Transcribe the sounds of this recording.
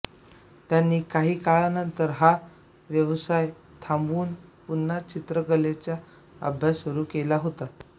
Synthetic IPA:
t̪janːiːkaɦiːkaɭanənt̪əɾɦa | ʋjəʋsaj | t̪ʰambuːnpunːat͡ɕit̪ɾəɡəlet͡ɕja | ə̰bʱjasuɾuːkelaɦot̪a

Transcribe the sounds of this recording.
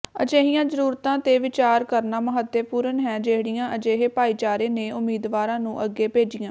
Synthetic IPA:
ə̰d͡ʒeːɦijãːzəɾuːɾt̪ãːt̪eːʋɪt͡ʃaːɾkəɾnaːməɦət̪ːepuːɾənɦɛːd͡ʒeːɽijãːʔəd͡ʒeːɦeːpaːiːt͡ʃaːɾeːneːʔʊmiːd̪ʋaːɾãːnũːʔəɡːeːpeːd͡ʒɪjãː

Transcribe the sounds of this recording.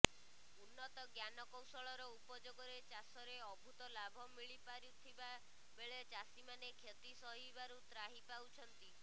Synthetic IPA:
unːɔt̪ɔɡjanɔkɔwsɔɭɔɾɔupɔd͡ʒoɡɔɾet͡ʃasɔɾeɔbʱut̪ɔlabʱɔmiɭipaɾut̪ʰiba | beɭet͡ʃasimanekʰet̪isɔɦibaɾut̪ɾaɦipawt͡ʃʰɔnt̪i

